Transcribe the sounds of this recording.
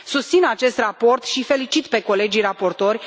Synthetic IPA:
sust̪sinat͡ʃe̞st̪rapo̞rt̪ʃife̞lit͡ʃit̪pe̞ko̞le̞d͡ʒijrapo̞rt̪o̞rʲ

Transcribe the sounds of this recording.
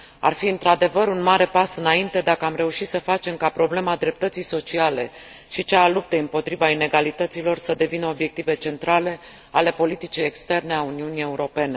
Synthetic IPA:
a̰rfiɨnt̪ɾad̪e̞vəɾunmaɾe̞pasɨnaint̪e̞d̪akəamɾe̞uʃit̪səfat͡ʃe̞mkapɾo̞ble̞mad̪ɾe̞p̚t̪ət̪sijso̞t͡ʃiale̞ʃit͡ʃealup̚t̪eɨmpo̞t̪ɾivaine̞ɡalit̪ət̪silo̞rsəd̪e̞vinəo̞bje̞k̚t̪ive̞t͡ʃe̞nt̪ɾale̞ | ale̞po̞lit̪it͡ʃijekst̪e̞rne̞auniunie̞uɾo̞pe̞ne̞

